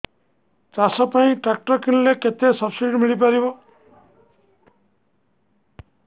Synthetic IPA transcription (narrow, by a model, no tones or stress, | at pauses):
t͡ʃasɔpaĩʈɾak̚ʈɔɾkinleket̪esɔbsiɖimiɭip̬aɾibɔ